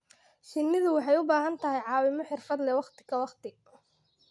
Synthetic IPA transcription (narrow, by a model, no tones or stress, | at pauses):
ʃɪnːɪðʊwɑħɑjʊbaːɦɐnt̪ʰɐɦɛjʕɑːwɪmɔħɪrfɐd̪lɛwɑχt̪ʰɪ̥kɐwɑχt̪ʰɪ